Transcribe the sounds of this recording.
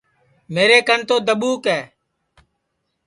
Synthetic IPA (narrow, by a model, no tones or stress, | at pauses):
meːɾeːkənt̪oːd̪əɓuːkɛː